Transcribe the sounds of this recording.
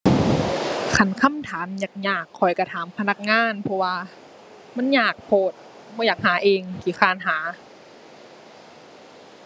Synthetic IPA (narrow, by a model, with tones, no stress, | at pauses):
kʰa˧˩nkʰa˧˥˨mt̪ʰaː˨˦mjaː˨˩k̚ɲaː˨˩kʰːɔ˨˩jka˧˩t̪ʰaː˨˦mpʰa˧na˧˩k̚ŋaː˧˥˨npʰɔ˧waː˧ | ma˧˥˨nɲaː˨˩k̚pʰoː˨˩t̪̚ | bɔː˧˦jaː˨˩k̚haː˨˩˦ʔeː˧ŋkiː˨˩˦kʰaː˧˩˨nɦaː˩˦